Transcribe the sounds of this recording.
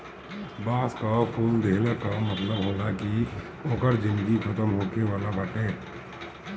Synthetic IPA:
baːskapʰuːld̪ʱeːləkamɐt̪ləbɦoːlaki | oːkəɾd͡ʒɪ̃nd̪ɡikʰɐt̪əmɦoːkeʋaːlabəʈẽː

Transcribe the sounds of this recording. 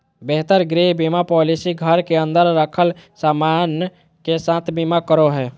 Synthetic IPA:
beɦt̪əɾɡɾiɦbimapɔlisiɡʱəɾkeə̃nd̪əɾːəkʰəlsaman | kesãt̪ʰbimakəɾoɦɛː

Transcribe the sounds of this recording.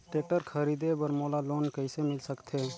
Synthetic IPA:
ʈeːʈəɾkʰəɾiːd̪ebəɾmoːlaloːnkəɪsemɪlsəkt̪ʰeː

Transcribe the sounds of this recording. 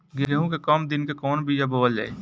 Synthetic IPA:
ɡɪɾeɦũkekɔːmd̪ɪnkekɔːnbʱijaboːəlḛː

